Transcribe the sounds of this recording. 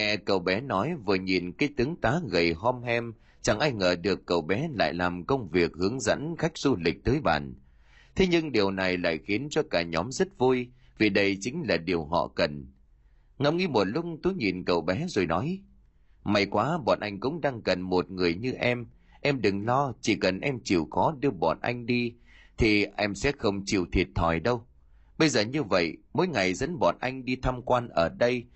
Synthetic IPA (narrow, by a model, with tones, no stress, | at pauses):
ŋɛ̰˧˨kə˨˩wɓɛ˨˦nɔ˨˦jvɨ˨˩əɲi˨˩nkaː˨˦jt̪ɨ˨˦əŋt̪aː˨˦ɣə˨˩jɦɔ˧mhɛ˧m | t͡ɕa˨˩ŋʔaː˧jŋəː˨˩ɗɨ˨˩əkːə˨˩wɓɛ˨˦la̰ː˧˨jlaː˨˩mkə˧wŋ͡mvi˨˩ək̚hɨ˨˦əŋzə̰˧˥nxa˦˥jk̟̚z̥u˧lï˨˩k̟̚t̪əː˨˦jɓa̰ː˨˩n | t̪ʰe˨˦ɲɨ˧ŋɗi˨˩əwna˨˩jla̰ː˧˨jxi˨˦ənt͡ɕɔ˧kaː˧˩ɲɔ˨˦mzə˦˥t̚vu˧j | vi˨˩ɗə˧jt͡ɕï˨˦ŋ̟laː˨˩ɗi˨˩əwɦɔ̰˧˨kə˨˩n | ŋə˧wŋi˧mo˨˩t̚lʊ˦˥k͡pŋ͡mt̪u˨˦jɲi˨˩nkə̰˨˩wɓɛ˨˦zo˨˩jnɔ˨˦j | ma˨˩jkwaː˨˦ɓɔ̰˨˩nʔa˧jŋ̟kʊ̰˧˥ŋ͡mɗaː˧ŋkə˨˩nmo˨˩t̚ŋɨ˨˩əjɲɨ˧ʔɛ˧m | ʔɛ˧mɗɨ˨˩ŋlɔ˧t͡ɕi˧˩kə˨˩nʔɛ˧mt͡ɕḭ˧˩wxɔ˨˦ɗɨ˧əɓɔ̰˨˩nʔa̰˧jŋ̟ɗi˧ | t̪ʰi˨˩ʔɛ˧msɛ̰˧˥xə˧wŋ͡mt͡ɕḭ˧˨wt̪ʰi˨˩ət̚t̪ʰɔ˧˩jɗə˧w | ɓə˧jzəː˨˩ɲɨ˧və̰˧˨jmo̰˧˥˦jŋa˨˩jzə̰˧˥nɓɔ̰˨nʔa˧jŋ̟ɗi˧t̪ʰa˧mkwaː˧nʔəː˧˩ɗə˧j